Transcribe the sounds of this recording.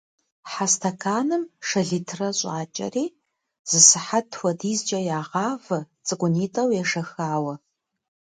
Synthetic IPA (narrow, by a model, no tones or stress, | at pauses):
ħastʰɐkʰaːnɨmʂɐɮitʰrɐɕʼaːt͡ʃʼɐ̰riː | z̥ɨsɨħatʰwɐdiːzd͡ʒʼɐjaːʁaːvɐt͡sʼɨkʷʼʊniːtʼɐwjaʂɐxaːwɐ